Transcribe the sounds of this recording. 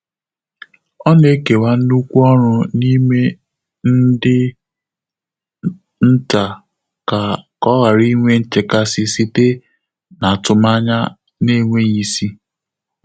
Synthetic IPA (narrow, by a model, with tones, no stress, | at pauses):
ɔ˦ne˦ke˨wa˦u˦kʷu˦ɔ˦ɾʊ˦ni˦me˦ | n̩˦dɪ˦ | n̩˦ta˨ | ka˨kɔ˦ɣa˨ɾi˦ŋʷe˦n̩˦t͡ʃe˨ka˦sɪ˦si˦te˦ | na˨tʊ˨ma˦ɲa˦ | ne˦ŋʷe˦ɲi˦si˦